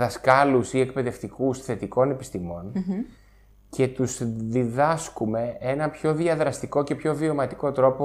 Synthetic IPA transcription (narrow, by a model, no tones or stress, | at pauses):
ðɐskɐlusie̞k̚pe̞ðe̞ft̪ikusθe̞t̪iko̞ne̞pist̪imo̞n | ce̞t̪uzðiðɐskume̞e̞nɐpço̞ðiɐðɾɐst̪iko̞ce̞pço̞vio̞mɐt̪i̥ko̞t̪ɾo̞po